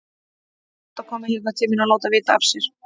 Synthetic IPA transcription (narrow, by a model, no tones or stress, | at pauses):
t̪akʰɔːmɪhɛɾt̪nat̪ʰɪminaloːwt̪avɪːt̪aafsjɛɾ̥